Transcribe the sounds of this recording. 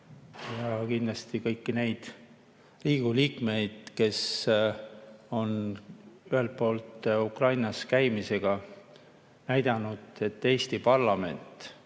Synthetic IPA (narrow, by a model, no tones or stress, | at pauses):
jɑkind̥̪lɑst̪ikɤjkːine̞jd̪̥ | riːɡ̥uliːkme̞jd̪̥ke̞s | o̞n | yhe̞lt̪̚po̞ːlt̪ukrɑjnɑskæjmise̞ɡ̥ɑ | næjd̪̥ɑnud̪̥e̞t̪ːe̞ːst̪ipɑrlɑme̞̰nt̪ˑ